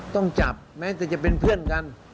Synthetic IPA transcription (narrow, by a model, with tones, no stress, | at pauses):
t̪ɔ˥˩ŋt͡ɕa˨˩p̚mɛː˦˥t̪ɛː˧˩t͡ɕa˨˩pe˧npʰɯ˥˩ənka˧˥n